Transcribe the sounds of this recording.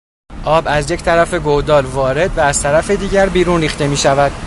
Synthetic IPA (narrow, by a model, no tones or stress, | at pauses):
ʔɒːbæzje̞ct̪ʰæɾæfe̞ɡod̪ɒːɾvɒːɾe̞d̪væːz̥t̪ʰæɾæfe̞d̪iːɟæɾbiːɾuːnriːxt̪e̞miːʃævæd̪̥